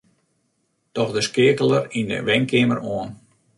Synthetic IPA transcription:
tɔxdəskɪəkəlˠərində̰ʋɛŋkɪəməroən

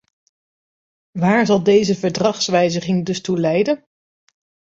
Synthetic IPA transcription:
ʋaːɹzɑlˠdejzəvəɹdrɑχsʋɛjzəχɪŋdɵstulɛjdən

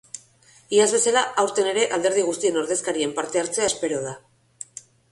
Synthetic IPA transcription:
iazβe̞salaʔawɾt̪e̞ne̞ɾe̞ʔald̪e̞ɾð̞iɣ̞ust̪ie̞no̞ɾðe̞skaɾie̞mpaɾt̪e̞aɾt͡se̞aespe̞ɾoð̞a

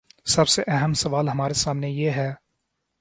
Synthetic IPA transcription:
sɐbseʔɛɦəmsɐʋaːlɦɐmaːɾesaːmnejeːɦɛː

